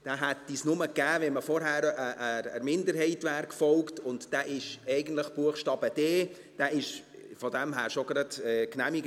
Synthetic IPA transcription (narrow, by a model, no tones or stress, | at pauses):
d̥æːɦætːisnʊməkæːʋɛməfɔɾɦæːɾəʔəə̰ɾmɪndəɾɦɛɪtʋæɾkfɔlktʊntd̥æːʔɪʃɛɪɡən̩tləχb̥uəxʃtɑːb̥əd̥eː | d̥æːɪʃfɔdɛmɦæːɾʃoɡ̥ɾɑdɛknæmiɡ